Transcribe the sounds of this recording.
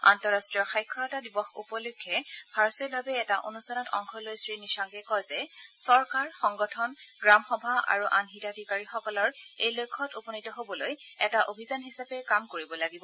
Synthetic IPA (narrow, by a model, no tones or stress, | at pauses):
a̰ntɔɹastɹijɔɹxajkʰːɔɹatadibɔxṵpɔlʊkʰːɛbʱaɹɔsɔɹbʱabɛɛtaʔo̰nustanɔtɔ̰ŋkʰɔlojsɹinisaŋɡɛkɔjzɛsɔɹkaɹxɔŋɡɔtʰɔnɡɹamxɔbʱaʔa̰ɹuʔa̰nɦitadʱikaɹixɔkɔlɔɹejlojkʰːɔtupɔnitɔɦobɔlojɛtaʔobʱizanɦisapɛkamkoɹibɔlaɡibɔ